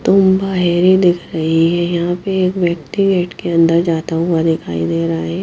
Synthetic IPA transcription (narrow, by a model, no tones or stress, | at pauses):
t̪ʊmbaːɦeɾid̪ɪkʰɾɐɦiɦɛjɐɦãpeeːkʋjɐkʈ̪iɡeːʈkeɐ̃nd̪əɾd͡ʒaːt̪aɦʊad̪ɪkʰaːid̪eːɾɐɦaɛ